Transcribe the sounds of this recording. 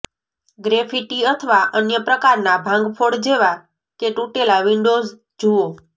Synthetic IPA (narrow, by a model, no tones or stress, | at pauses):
ɡɾefiʈiət̪ʰəʋaʔənjəpɾəkaɾnabʱãŋɡpʰoɽd͡ʒeʋa | keʈuʈelaʋiɳɖoz | d͡ʒuo